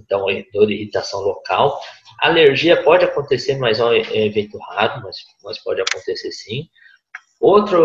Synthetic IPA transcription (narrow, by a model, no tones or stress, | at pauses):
t̪ɐ̃w̃ed̪oɾihit̪asɐ̃w̃lokawa̰aleɾʒiɐpɔd͡ʒɪakõnt̪eseɾmajzɐ̃evẽnt̪ʊhaɾʊmɐs | mɐjspɔd͡ʒɪakõt̪eseɾsĩ | owt̪ɾɐ